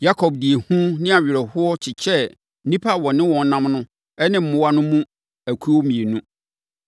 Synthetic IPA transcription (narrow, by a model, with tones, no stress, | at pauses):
ja˦kʰɔ˨b̚di˨e˨hũ˦nɪ̃˦a˨ɥɪ˨ɾɛ˨hʊ˦ɔ˦t͡ɕʰɪ˨t͡ɕʰɛ˦ | nĩ˦pʰa˦˨wɔ̃˨nɪ̃˦wɔ̃˨n̩˦nã˦mnʊ̃˦ | ɛ˦nɪ̃˦m̩˦˨mʊ̃˦wa˦nʊ̃˦mũ˦ | æ˨kʰu˦ɔ˦mĩ˨e˨nũ˦